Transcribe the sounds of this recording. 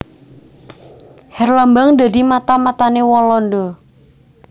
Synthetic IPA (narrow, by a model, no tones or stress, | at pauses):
hɛrlambaŋd̪a̤d̪imat̪amat̪anewɔlɔndɔ